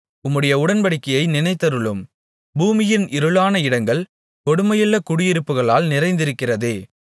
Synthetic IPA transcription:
ʊmːɯɽɐjɐʊɽɐnpɐɽɪkːɐjɐɪnɪnɐɪt̪ːɐɾɯɭɯm | buːmɪjɪnʔɪɾɯlaːnɐɪɽɐŋɡɐɭ | kɔɽɯmɐjɪlːɐkʊɽɪjɪɾɯpːɯɣɐɭaːlnɪɾɐɪnd̪ɪɾɯkːɪrɐðeː

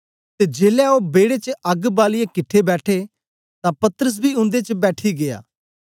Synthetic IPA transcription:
t̪eːd͡ʒeːlɛoːbeːɽeːt͡ʃəɐɡbaːlɪjekɪʈʰːebɛːʈʰeː | t̪ãːpɐt̪əɾəs̬biːʊ̃nd̪eːt͡ʃəbɛːʈʰiɡɪja̰ː

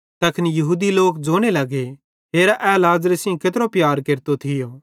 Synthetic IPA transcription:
t̪ɐkʰɪnjɐɦuːd̪iloːkd͡ʒoːɽ̃elɐɡe | ɦeːɾaʔɛːlaːzɾesɪ̃ket̪ɾopjaːɾkeːɾt̪ot̪ʰɪjo

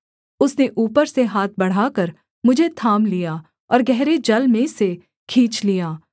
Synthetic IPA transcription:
ʊsneʔuːpəɾseɦaːt̪̚ʰbɐɽ̤akəɾ | mʊd͡ʒʱet̪ʰaːmlijaː | ɔːɾɡɛɦɾed͡ʒɐlmẽse | kʰiːt͡ʃlijaː

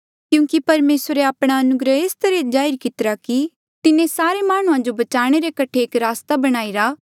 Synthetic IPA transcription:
kjũːkipɐɾmeːsɾeaːpɽ̃aɐnʊɡɾəeːst̪ɐɾẽd͡ʒaːɪɾkɪt̪əɾaki | t̪ɪnẽsaːɾemaːɽ̃ũãd͡ʒobɐt͡ʃaːɽ̃eɾekɐʈʰeːkɾaːst̪abɐɽ̃aːiɾaː

